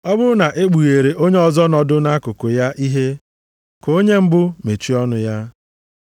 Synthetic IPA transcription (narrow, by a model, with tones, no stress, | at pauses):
ɔ˦bʊ˦na˨ʔe˦ɡ͡bu˨ɣe˨ɾe˨ʔo˦ɲe˦ɔ˦zɔ˦nɔ˦dʊ˦na˦kʊ˨kʊ˨ja˦ʔi˦ɦe˦ | ko˦ɲe˦m̩˦bʊ˦me˨t͡ʃi˦ɔ˦nʊ˦ja˦